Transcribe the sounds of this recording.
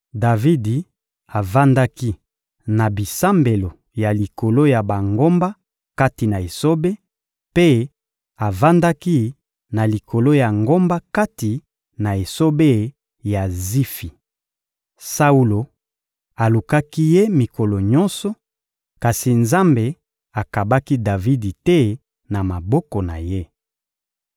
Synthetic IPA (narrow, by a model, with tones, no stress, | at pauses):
da˨vi˦di˨ | a˨va˦nda˦ki˦ | na˨bi˨sa˦mbe˨lo˨ | ja˨li˨ko˨lo˦ja˨ba˨ŋɡo˦mba˦ | ka˦ti˨na˨e˨so˦be˦ | pe˦ | a˨va˦nda˦ki˦ | na˨li˨kʰo˨lo˦ja˨ŋɡo˦mba˦ka˦ti˨ | na˨e˨so˦be˦ | ja˨zi˦fi˨ | sa˦u˦lo˨ | a˨lu˨ka˦ki˦je˦mi˨ko˨lo˨ɲɔ˦nsɔ˦ | ka˨si˨nza˦mbe˨ | a˨ka˨ba˦ki˦da˨vi˦di˨te˦ | na˨ma˨bɔ˦kɔ˨na̰˨je˦